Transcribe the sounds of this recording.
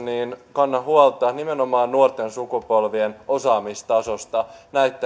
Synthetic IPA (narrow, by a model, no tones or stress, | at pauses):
niːnkɑnːɑɦuolt̪ːˑɑːnimenomɑːnːuort̪e̞nsukupo̞lʋieno̞sɑːmist̪ɑso̞st̪ɑnæyt̪ːæ